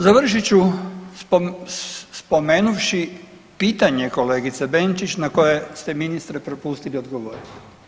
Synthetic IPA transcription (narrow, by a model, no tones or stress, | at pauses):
zaʋr̩ʃit͡ɕu | spo̞meːnuʋʃi | piːt̪aɲe̞kole̞ːɡit̪sebe̞nt͡ʃit͡ɕnako̞jest̪e̞minist̪ɾepɾo̞pust̪ilio̞d̪ɡoʋoːɾino